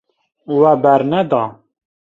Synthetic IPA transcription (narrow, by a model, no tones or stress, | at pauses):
wæbæɾnɛd̪ɑ